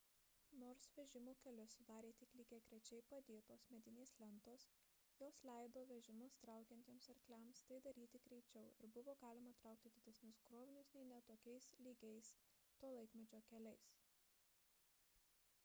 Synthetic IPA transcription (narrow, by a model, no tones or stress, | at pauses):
noːɾsʋʲɛʒʲɪmuːkʲɛlʲʊsʊd̪ɑːɾʲeːt̪ʲɪklʲiːɡʲeːɡɾʲɛt͡ʃʲɛɪpɐd̪ʲeːt̪oːsmʲɛd̪ʲɪnʲeːslʲɛnt̪oːs | joːslʲæɪd̪oːʋʲɛʒʲɪmʊst̪ɾɑˑʊkʲɛnʲt̪ʲiɛmsɐɾʲklʲæmst̪ɐɪd̪ɐɾʲiːt̪ʲɪɡɾʲɛɪt͡ʃʲɛʊɪɾbʊʋoːɡɑːlʲɪmɐt̪ɾɑʊk̚t̪ʲɪd̪ʲɪd̪ʲɛsʲnʲʊsɡɾoːʋʲɪnʲʊsnʲɛɪnʲɛt̪oːkʲɛɪslʲiːɡʲɛɪst̪oːlˠɐɪkmʲɛd͡ʒʲoːkʲɛlʲɛɪs